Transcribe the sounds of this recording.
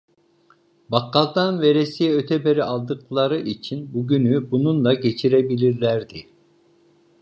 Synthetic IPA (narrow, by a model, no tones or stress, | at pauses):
bɑqːɑld̪ɑnveɾɛsijɛøt̪ʰɛbeɾiʔɑlˠd̪ɯqlˠɑɾɯʔit͡ʃʰinbuɡʲynybununlɑɡʲet͡ʃʰiɾɛbilʲiɾlæɾd̪ɪ